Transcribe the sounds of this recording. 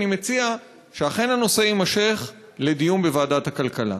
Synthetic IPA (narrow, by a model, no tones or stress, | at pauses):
nimet͡sia | ʃeaχe̞nano̞se̞imaʃe̞χ | le̞d̪ijumbe̞vaːdathakalkala̰